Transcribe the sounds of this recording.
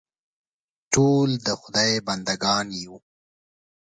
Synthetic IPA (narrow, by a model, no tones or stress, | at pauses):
ʈoːld̪əxʊd̪ɑjband̪aɡɑːnju